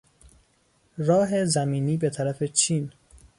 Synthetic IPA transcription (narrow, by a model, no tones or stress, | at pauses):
ɾɒːɦe̞zæmiːniːbe̞t̪ʰæɾæfe̞t͡ʃʰiːn